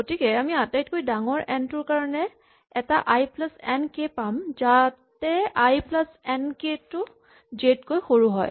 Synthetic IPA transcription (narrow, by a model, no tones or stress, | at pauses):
ɡotikɛamiatajtkojdaŋɔɹʔɛntʊɹkaɹɔnɛ | ɛtaʔajplasɛnkepamzatɛajplasɛnketʊ | d͡ʒetkojxoɹuɦɔ̰j